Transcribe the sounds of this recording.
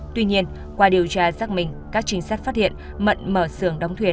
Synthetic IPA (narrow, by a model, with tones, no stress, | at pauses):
t̪wi˧ɲi˧ən | kwaː˧˩ɗi˨˩əwt͡ɕaː˧zaː˦˥k̚mï˨˩ŋ̟kaː˦˥k̚t͡ɕï˧ŋ̟saː˦˥jk̚faː˦˥t̚hḭ˧˨ən | mə̰˧˨nməː˧˩sɨ˧˩əŋɗə˨˦wŋ͡mt̪ʰwi˧˩ə